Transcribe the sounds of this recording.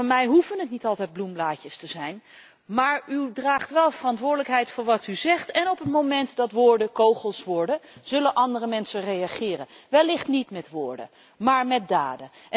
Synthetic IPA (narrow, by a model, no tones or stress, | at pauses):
ɑnmɛjɦufənətnitɑlˠtɛjd̚blumblaːcəstəzɛjn | maːɹydraːχtʋɛlˠvərɑntʋʊːɹdələkɦɛjtfʊːɹʋɑtyzɛχtɛnɔpətmowmɛntdɑtʋʊːɹdəkowχəlˠsʋɔːɹdəz̥ɵlənʔɑndərəmɛnsərejɑχɪːrənʋɛlɪχtnitmɛtʋʊːɹdə̰ | maːɹmɛt̚da̰ːdəʔ